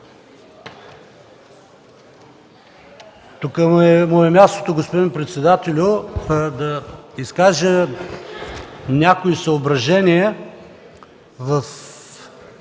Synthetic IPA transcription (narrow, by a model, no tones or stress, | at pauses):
t̪ukəɛmɔjɛmʲast̪o̥t̪oɡospod̪inpɾɛt̪sɛd̪at̪ɛlʲʊd̪ɐiskaʒə | nʲakoisɐobɾɐʒɛniɛ | zɐs